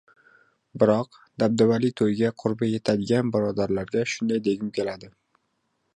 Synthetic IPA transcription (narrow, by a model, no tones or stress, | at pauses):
bɪɾɒq̚ | d̪ab̚d̪avalit̪ʰojɡʲaqʰʊɾbaje̞t̪ʰad̪ɪɡʲanbɪɾɒd̪aɾlaɾɡʲaʃʊnd̪ajd̪e̞ɡʲɪmkʲʰe̞lad̪ɪ